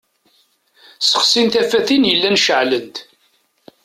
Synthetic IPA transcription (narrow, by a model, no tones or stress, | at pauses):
sə̥χsinθæfæθinjəlːænʃəʕlənt̪